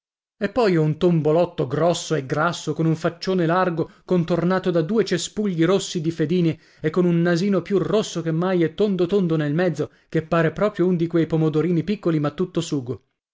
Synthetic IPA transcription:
epːɔjɛunt̪ombolɔt̪ːoɡɾɔsːoeɡɾasːokonuɱfat͡ʃːoːnelarɡokont̪ornaːt̪od̪ad̪uːet͡ʃespuʎːiɾosːid̪ifed̪iːne | ekːonunːaziːnopjurosːokemːajɛt̪ːond̪ot̪ond̪onelmɛd̪zːo | kepːaːɾepɾɔːpɾjound̪ikwejpomod̪oɾiːnipikːolimat̪ːut̪ːosuːɡo

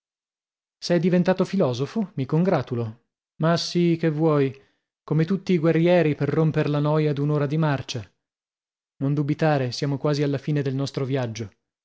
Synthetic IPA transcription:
sɛjd̪ivent̪aːt̪ofilɔːzofomikoŋɡɾaːt̪ulo | masːikevːwɔj | komet̪ut̪ːiːɡwerːjɛːɾiperːompeɾlanɔːjad̪unoːɾad̪imart͡ʃa | nond̪ubit̪aːɾesjaːmokwaːzialːafiːned̪elnɔst̪ɾovjad͡ʒːo

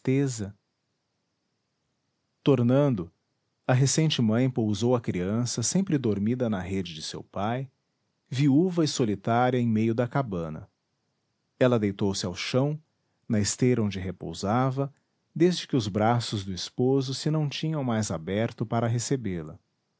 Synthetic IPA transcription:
t̪ezɐ | t̪oɾnɐ̃nd̪ʊ | ɐɦesẽnt͡ʃɪmɐ̃j̃powzowɐkɾiɐ̃sɐsẽmpɾɪd̪oɾmid̪ɐnɐɦed͡ʒɪd͡ʒɪsḛwpaj | viuvɐɪsolit̪aɾiɐẽj̃mejʊd̪ɐkabɐ̃nɐ̰ | ɛlɐd̪ejt̪owsɪawʃɐ̃w̃ | nɐest̪ejɾɐõnd͡ʒɪɦepo̰wzavɐ | d̪ezd͡ʒɪkɪʊzbɾasʊzd̪ʊispozʊsɪnɐ̃w̃t͡ʃĩɲɐ̃w̃majzabɛɾt̪ʊpaɾɐɦesebelɐ̰

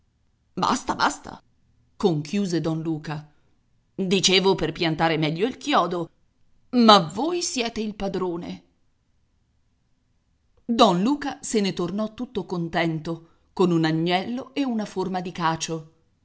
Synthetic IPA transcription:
ba̰st̪aba̰st̪a̰ | koŋkjuːzed̪ɔnluːka | d̪it͡ʃeːvoperpjant̪aːɾemɛʎːoilkjɔːd̪o | mavoːjsjɛːt̪eilpad̪ɾoːnḛ | d̪ɔnluːkasenet̪ornɔt̪ːut̪ːokont̪ɛnt̪o | konunaɲːɛlːoeunaformad̪ikaːt͡ʃo

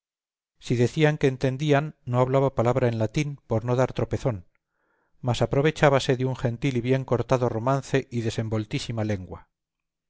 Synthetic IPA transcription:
siðe̞θiaŋkeːnt̪e̞nd̪ianːo̞aβ̞laβapalaβɾae̞nlat̪inpo̞ɾno̞ðaɾt̪ɾo̞pe̞θo̞n | masapɾo̞β̞e̞t͡ʃaβase̞ðeuŋxe̞nt̪iliβje̞ŋko̞ɾt̪aðo̞ro̞mãnθe̞ʔiðe̞se̞mbo̞lt̪isimale̞ŋɡwa

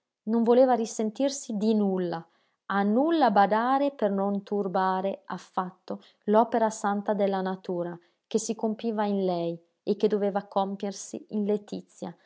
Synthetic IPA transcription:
noɱvoleːvaɾisent̪irsid̪inulːa | anːulːabad̪aːɾepernont̪urbaːɾeafːat̪ːo | lɔːpeɾasant̪ad̪elːanat̪uːɾa | k̟esikompiːvainlɛj | ekːed̪ːoveːvakompjersḭinlet̪it̪sːja

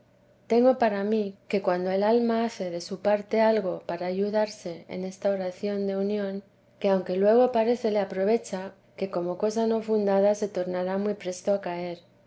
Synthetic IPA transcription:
t̪e̞ŋɡo̞paɾamike̞kwand̪o̞e̞lalmaaθe̞ðe̞supaɾt̪e̞alɣo̞paɾaːʝuðaɾse̞ḛne̞st̪ao̞ɾaθjo̞nd̪e̞unjõ̞ŋ | ke̞awŋke̞lwe̞ɣ̞o̞paɾe̞θe̞le̞apɾo̞β̞e̞t͡ʃa | ke̞ko̞mo̞ko̞sano̞fund̪aðase̞t̪o̞ɾnaɾamwijpɾe̞st̪o̞akae̞ɾ

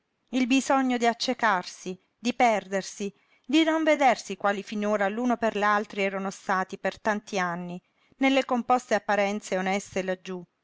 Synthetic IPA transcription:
ilbizɔɲːod̪iat͡ʃːekarsi | d̪ipɛrd̪ersi | d̪inoɱved̪ersikwaːlifinoːɾaluːnoperʎalt̪ɾiɛːɾanost̪aːt̪ipert̪ant̪ianːi | nelːekompɔst̪eapːaɾɛnt̪seonɛst̪elad͡ʒːu

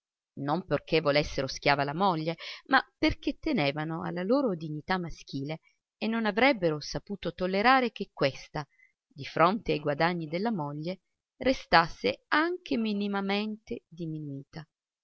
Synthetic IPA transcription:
nomperkʰevːolesːeɾosk̟ʲjaːvalamɔʎːemaperk̟et̪ːeneːvanoa̰lːaloːɾod̪iɲːit̪amːask̟iːleː | nːonavɾɛbːeɾosapuːt̪ot̪olːeɾaːɾek̟ekːwest̪a | d̪ifɾont̪eajɡwad̪aɲːid̪elːamoʎːe | rest̪asːeaŋk̟eminimament̪ed̪iminuiːt̪a

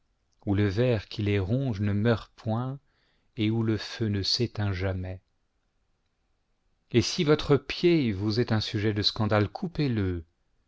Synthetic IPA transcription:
uləvɛʁkʲileʁɔ̃ʒnəmœʁpwɛ̃ | euləfønəset̪ɛ̃ʒamɛ | esivɔt̪χəpjevuzɛt̪ɛ̃syʒɛd̪əskɑ̃d̪alkʰupelə

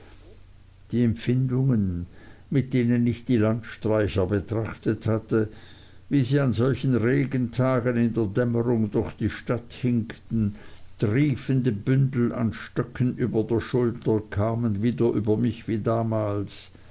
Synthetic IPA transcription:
d̥iːɛmfɪndʊŋənmɪt̚d̥eːnənɪçtd̥iːlantʃtʁ̥aɪçɐbətʁ̥aχtəthatə | viːziːanzɔlçən̩ʁeːɡəntʰaːɡənɪndeːɐdɛməʁʊŋdʊɐxd̥iːʃtathɪŋktn̩d̥ʁiːfəndəbʏndl̩a̰nʃtœkʰənʔyːbɐdeːɐʃʊltɐkʰaːmənviːdɐʔyːbɐmɪçv̥iːdaːmaːls

